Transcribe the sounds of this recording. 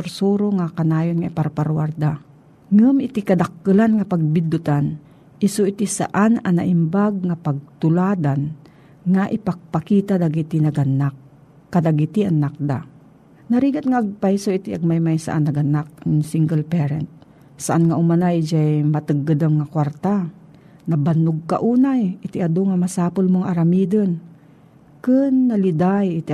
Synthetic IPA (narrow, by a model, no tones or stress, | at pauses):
ʊɾsuɾoŋakanaːjonŋaʔɪpaɾpaɾwaɾd̪a | ŋɨmɪt̪ikɐd̪akːɨlanŋapaɡ̚bɪd̪ʊt̪an | ʔɪsoʔit̪isa̰ʔanana̰ʔɪmbaɡ̚ŋapaɡ̚t̪ʊlaːd̪an | ŋaʔɪpaɡ̚pakiːt̪ad̪aɡit̪inaɡanːakː | ad̪aɡit̪iʔanːak̚d̪a̰ | nɐɾiːɡat̪̚ŋaʔaɡ̚pajsoʔɪt̪iʔaɡ̚majmajsa̰ʔanːɐɡanak̚nɪŋsiŋɡəlpɛɾɛ̰nt̪̚ | saʔanŋaʔʊmanajd͡ʒajmat̪ɨɡːɨd̪amŋakwaɾt̪a | nɐbanʊɡ̚ka̰ʔuːnajʔɪt̪ɪʔad̪oŋamasaːpʊlmoŋʔaɾamiːd̪ən | kɨnːalɪd̪ajɪt̪